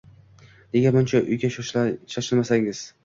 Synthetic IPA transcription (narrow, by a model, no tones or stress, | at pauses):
ne̞ɡʲabʊnt͡ʃʰaʔʊ̰jɡʲaʃɒʃlaʃɒʃɪlmasaŋɪz̥